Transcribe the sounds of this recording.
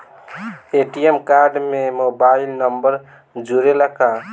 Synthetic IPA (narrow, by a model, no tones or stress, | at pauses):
eʈijemkaɾɖmemobailnəmbəɾ | d͡ʒuɾeləka